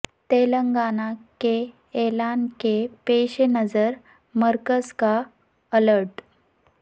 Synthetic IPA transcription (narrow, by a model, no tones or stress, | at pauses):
t̪eləŋɡanake | elankepeɕenəd͡zəɾ | məɾkəska | ələɾʈ